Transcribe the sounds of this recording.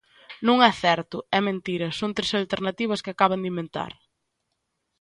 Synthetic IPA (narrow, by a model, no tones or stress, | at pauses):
nũŋɛθɛɾt̪ʊɛmẽnt̪iɾɐsõŋnt̪ɾesalt̪eɾnat̪iβ̞ɐskɪakaβ̞ɐnd̪imẽnt̪a̰ɾ